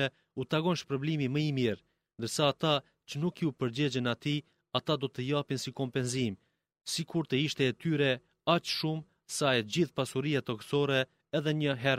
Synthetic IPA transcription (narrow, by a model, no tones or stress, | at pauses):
ɛ | ut̪aɡɔnʃpɾɔblimiməimiɾ | nd̪əɾsaːt̪a | t͡ɕənukupəɾd͡ʑɛd͡ʑənat̪i | at̪ad̪ɔt̪əjapinsikɔmpɛnzim | sikuɾt̪əiʃt̪ɛːt̪yɾɛ | at͡ʃʃum | saɛd͡ʑiθpasuɾijat̪ɔksɔɾɛ | ɛðɛɲəɦɛɾ